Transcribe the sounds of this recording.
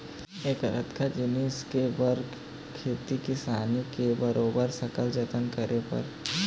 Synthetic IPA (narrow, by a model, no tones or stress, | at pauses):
eːkɐɾə̰t̪kʰad͡ʒɪniskebɐɾɡ | kʰːeːt̪ikisaːnikebɐɾoːbəɾsɐkəld͡ʒət̪ənkəɾepɐ̰ɾ